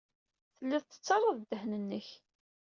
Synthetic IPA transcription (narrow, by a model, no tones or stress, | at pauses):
θəlːiðθə̥t͡sːɑrˤːəðˤd̪əhnənːəç